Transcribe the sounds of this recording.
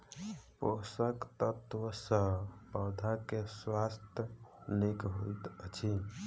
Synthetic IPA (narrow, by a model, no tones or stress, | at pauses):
posəkt̪ət̪ʋəsəpəd̪ʱakeswast̪ʰjənikɦojt̪ət͡ʃʰi